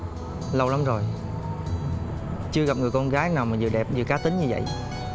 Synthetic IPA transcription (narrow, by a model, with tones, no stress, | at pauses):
lə˧wla˨˦mzo˨˩j | t͡ɕɨ˧əɣa˨˩p̚ŋɨ˨˩əjkɔ˧nɣaː˨˦jnaː˨˩wmaː˨˩zɨ̰˨˩ɗɛ˨˩p̚ɗɨ˨˩kaː˨˦t̪ï˨˦ŋ̟ɲɨ˧və̰˧˨j